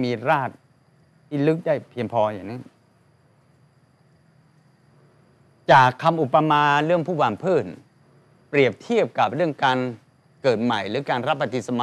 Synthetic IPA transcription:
miː˧ɾaː˥˩t̪̚ | t̪ʰiː˥˩lɯ˦˥k̚daː˥˩jpʰi˧əŋpʰɔː˧ja̰˨˩ŋnɯ˦˥ | t͡ɕaː˨˩kʰːa˧mʔu˨˩pːa˧maː˧ɾɯ˥˩əŋpʰuː˥˩waː˨˩ŋpʰɤː˥˩n | pɾi˨˩əp̚t̪ʰi˥˩əp̚ka˨˩p̚ɾɯ˥˩əŋkaː˧n | kɤː˨˩t̪̚ma˨˩jɾɯː˩˦kaː˧nɾa˦˥pːa˧t̪i˨˩sa˧ma˧

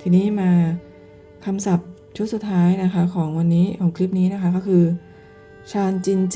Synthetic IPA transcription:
t̪ʰiː˧niː˦˥maː˧ | kʰa˧msa˨˩p̚ | t͡ɕʰu˦˥t̚su˨˩t̪ʰːaː˦˥jna˦˥kʰa˦˥kʰɔː˩˦ŋwa˧nːiː˦˥kʰɔː˩˦ŋkʰli˦˥p̚niː˦˥na˦˥kʰa˦˥kɔː˥˩kʰɯː˧ | t͡ɕʰaː˧nt͡ɕi˧nt͡ɕ

